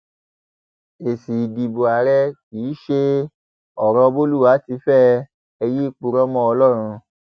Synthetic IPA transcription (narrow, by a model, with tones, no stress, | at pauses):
e˨si˨di˨bo˨a˨ɾɛ˦k̚iː˨˦ʃe˦˧ | ɔ˨ɾɔ̃˧bo˦lu˦˨wa˨˦ti˧˦fɛ˦ | ɛ˧ji˦i˦˨k͡pu˧ɾɔ˦mɔ̃˦ɔ˧lɔ˦˨ɾ̃ũ˧